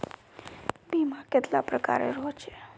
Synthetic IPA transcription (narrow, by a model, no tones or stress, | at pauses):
bimãket̪lapɾəka̰ɾḛɾot͡ʃʰe̥